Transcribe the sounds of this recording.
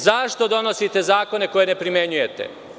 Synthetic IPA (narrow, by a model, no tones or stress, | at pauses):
zaʃt̪o̞d̪o̞no̞sit̪e̞zaːko̞ne̞ko̞je̞ne̞pɾime̞ɲuje̞t̪e̞̰